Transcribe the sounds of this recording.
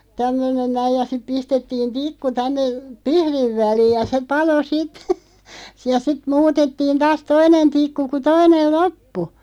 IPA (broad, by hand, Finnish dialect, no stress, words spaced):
tæmːønen næij jɑ sip pistetːiːn tikːu tænːe pihɾiʋ̆ ʋæliːj̆ jɑ se pɑlo sit jɑ sit muːtetːiːn tɑːs toinen tikːu ku toinel lopːu